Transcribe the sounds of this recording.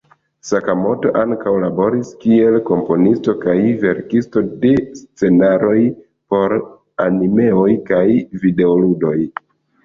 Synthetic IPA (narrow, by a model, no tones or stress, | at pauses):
sakamo̞to̞ʔaŋkawlabo̞ɾiskie̞lko̞mpo̞nisto̞kajve̞ɾkisto̞de̞st͡se̞naɾo̞j | po̞ɾ | anime̞o̞jkajvide̞oludo̞j